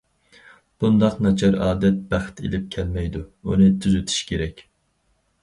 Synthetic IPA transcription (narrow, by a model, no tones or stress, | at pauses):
b̥und̪ɑqnɑt͡ʃʰɑɾɑ̰ːd̪ɛt̪̚b̥æχt̪ʰḛlɪp̚kʲʰɛlmɛjd̪uṵnɨt̪ʰyzyt̪ʰy̥ʃkʲeɾɛkʲ